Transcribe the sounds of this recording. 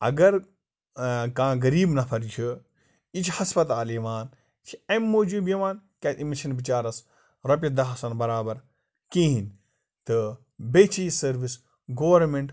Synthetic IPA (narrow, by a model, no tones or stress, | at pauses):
ɐ̰ɡɐɾ | kãːɡɐɾiːbnɐpʰɐɾit͡ʃʰi | it͡ʃʰhɐspɐt̪aːliːʋaːn | t͡ʃʰiɐmːoːd͡ʒubjiʋãːnkʲat̪imiʃɐnbit͡ʃaːɾɐs | ɾɐp̬ʲjɐd̪ɐɦɐsɐnbɐɾaːbɐɾ | kĩːɦinʲ | t̪ɨ | beːt͡ʃʰiːsɐɾʋis | ɡoːʋɐɾmeɳʈ